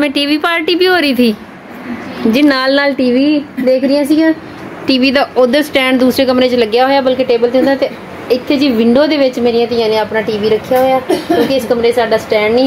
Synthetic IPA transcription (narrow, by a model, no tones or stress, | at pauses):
mɛ̃ːʈiːʋiːpaːɾʈiːbiːɦoːɾəiːt̪ʰiː | d͡ʒɪnaːlnaːlʈiːʋiːd̪eːkʰɾɪjãːsiːɡãː | ʈiːʋiːd̪aːod̪əsʈɛ̃ːɳɖd̪uːsɾeːk̬əmɾeːt͡ʃləɡjaːɦoːjaːbəlkeːʈeːbəlt̪eɦʊnd̪ãːt̪eː | ɪt̪ʰːeːd͡ʒiːʋɪɳɖoːd̪eːʋɪt͡ʃmeːɾijãːt̪ɪãːnẽːaːpnaːʈiːʋiːɾəkʰːjaːɦoːjaːkjõːkɪɪskəmɾeːsaːɖaːsʈɛ̃ːɳɖnĩː